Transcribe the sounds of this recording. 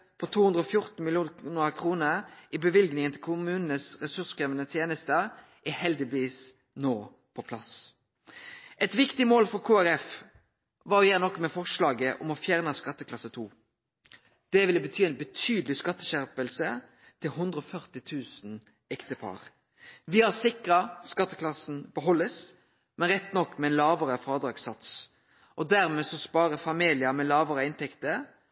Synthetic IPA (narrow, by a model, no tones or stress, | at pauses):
pʰɔt̪ʰuːhʉnd̪ʁəɔfjʊʁt̪n̩mɪljuːnnɑkʰʁuːnəʁʔɪbəʋɪlɡnɪŋənt̪ʰɪlkʰʊmʉːnn̩əsʁɛsʉskʁɛʋənət̪ʰjeːnəst̪ə | ʔɪhɛld̪ɪbʋiːs | noː | pʰɔpʰlɑs | ʔɛt̪ʋɪkt̪ɪmoːlfɔʁkʰuːæɾɛf | ʋɑjæːnɔkːmɛfɔʁʂlɑːɡəʔɔmɔfjæːʁnəskɑt̪ːəkʰlɑsət̪ʰuː | d̪̥ɛʋɪlːəbət̪ʰyːɛɪnbət̪ʰyːd̪əlɪskɑt̪ːəʃæʁpəlsə | t̪ʰɪlɦʉnd̪ɾəɔfœʁt̪ɪt̪ʰʉːsn̩ | ɛkt̪əpʰɑ̰ːʁ | ʋɪhɑʁsɪkʁɑskɑt̪ːəklɑsn̩bəɦɔlːəs | mɛnɾɛt̪ːnɔkːmɛɛnlɑːʋəɾəfɾɑd̪ɾɑːɡsɑt̪s | ʔɔd̪æɾmɛsɔspɑːɾəfɑmiːlɪəmɛlɑːʋəʁəɪnt̪ʰɛkt̪əɾ